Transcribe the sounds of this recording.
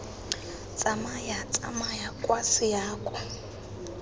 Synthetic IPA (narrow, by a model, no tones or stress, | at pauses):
t͡sʼamajat͡sʼa̰majakʼwasijaːkʼɔ